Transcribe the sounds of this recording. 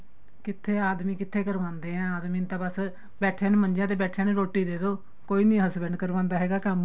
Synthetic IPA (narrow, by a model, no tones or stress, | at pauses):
kɪt̪ʰːeːaːd̪mĩːkɪt̪ʰːeːkəɾʋãːnd̪eːãːaːd̪mĩːt̪ãːbəs | bɛːʈʰãːnẽːməɲd͡ʒãːt̪̬eːbɛːʈʰjãːnẽːɾoːʈːiːd̪eːd̪oː | koːiːnĩɦəsbɛ̃ɳɖkəɾʋãːnd̪aːɦɛːɡaːkəm